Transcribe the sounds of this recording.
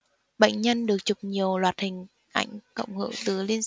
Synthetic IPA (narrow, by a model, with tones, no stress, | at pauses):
ɓə̰˧˨jŋ̟ɲə˧nɗɨ˨˩ək̚t͡ɕu˨˩k͡p̚ɲi˨˩əwlwaː˨˩t̚hï˨˩ŋ̟ | ʔa˧˩jŋ̟kə̰˧˨wŋ͡mhə̰˧˨wt̪ɨ˨˦li˧ən